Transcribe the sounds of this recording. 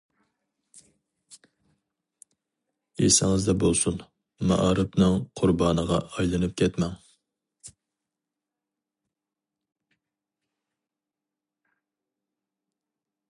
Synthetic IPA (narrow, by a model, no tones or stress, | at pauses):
esɪŋɨzd̪ɛbolˠsun | mɑ̰ʔɑɾɨpnɨŋqʰʊɾbɑːnəʁɑʔɑjlˠɨnɨp̚kʲʰɛt̪mɛŋ